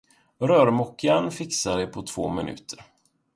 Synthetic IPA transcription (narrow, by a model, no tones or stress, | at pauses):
ɾœːɾmɔkʰːanfɪksaɖɛpʰɔt̪ʰv̥o̰ːmɪnʔʉ̟̰ːt̪ʰəɾ